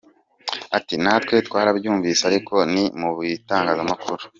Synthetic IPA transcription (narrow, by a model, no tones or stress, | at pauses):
atinatwe̞tkwaːɾabjuːɱviseaɾiko̞nimuβwitaːŋɡaːzamakuɾu̥